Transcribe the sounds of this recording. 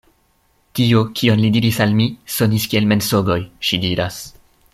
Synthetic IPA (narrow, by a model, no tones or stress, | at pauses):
tiokʰio̞nlidiɾisalmiso̞niskie̞lme̞nso̞ɡo̞jʃidiɾas